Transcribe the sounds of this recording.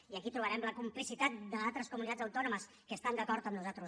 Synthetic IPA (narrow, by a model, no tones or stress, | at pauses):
iəkit̪ɾuβəɾɛmləkumplisit̪at̪̚d̪əalˠt̪ɾəskumunit̪ad͡zəwt̪ɔnuməs | kəːst̪and̪əkɔɾt̪əmnuzat̪ɾu